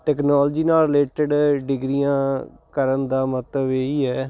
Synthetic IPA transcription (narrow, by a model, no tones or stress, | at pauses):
ʈɛːknaːld͡ʒiːnaːlɾɪleːʈəɖɖɪɡɾijãːkəɾənd̪aːmət̪ləbeːiːɦɛː